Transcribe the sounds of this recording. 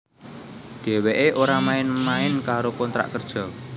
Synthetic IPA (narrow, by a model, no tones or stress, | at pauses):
ɖ̥e̤weʔeʔoɾamaɪnmaɪnkaɾokɔnt̪ɾa̰ʔkərd̥ʒ̥ɔ̤